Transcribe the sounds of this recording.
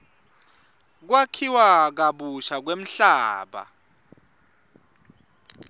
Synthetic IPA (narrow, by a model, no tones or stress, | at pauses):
k̬wakʰiwak̬aɓuʃak̬wem̩ɬaːɓa̰